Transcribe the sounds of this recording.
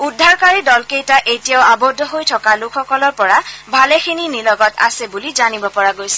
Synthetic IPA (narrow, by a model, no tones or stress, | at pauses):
udʱːaɹkaɹidɔlkejtaʔejtijaʊabɔdʱːɔɦojtʰɔkalukʰxɔkɔlɔɹpɔɹabʱalɛxʰininilɔɡɔta̰sɛbulizanibɔpɔɹaɡojsɛ